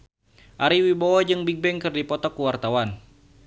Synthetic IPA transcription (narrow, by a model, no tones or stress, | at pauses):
ʔaɾiwibɔwɔd͡ʒɨŋbiɡ̚bɛŋkɨrdipɔt̪ɔkːuwart̪awan